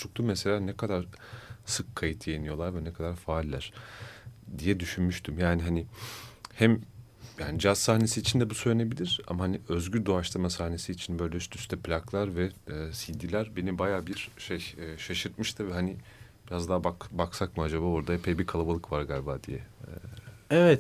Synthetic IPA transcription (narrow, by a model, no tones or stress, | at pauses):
t͡ʃʰukt̪ʰumɛselʲaːnɛkʰad̪aɾ̥ | sɯkʰːajɯt̪ʰjejinijo̞lˠaɾvɛnɛkʰad̪aɾfaːlʲːæɾ̥ | d̪ijɛd̪yʃynmyʃt̪ʰymjaːniɦanihæm | jaːnid͡ʒazsahne̞siːt͡ʃʰind̪ɛbusøjnebilʲiɾ̥a̰mahaniø̞zɟyɾd̪oaʃlˠamasahne̞siːt͡ʃʰinbø̞jlʲɛyst̪yst̪ʰɛplʲaklˠaɾvɛɛːsid̪ːilʲæɾbe̞nibajaːbiɾʃejɛːʃaʃɯɾt̪̚mɯʃt̪ʰɯvɛɦani | b̥iɾazd̪abakbaksakmɯad͡ʒabaːoɾd̪aepʰejbiɾkʰalˠabalˠɯkvaɾɡalʲbad̪ḭjɛ | ɛvɛt̪